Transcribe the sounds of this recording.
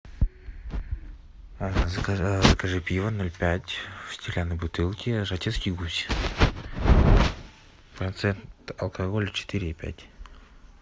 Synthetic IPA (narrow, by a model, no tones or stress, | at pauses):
zəkəʐɨpʲivənolʲpʲætʲfsʲtʲɪlʲanəjbut̪ɨlˠkʲɪʐatʲet̪skʲijɡusʲ | pɾɐnt̪sɛnt̪ɐlˠkɐɡolʲt͡ʃɪ̥t̪ɨɾʲɪːpʲæ̰tʲ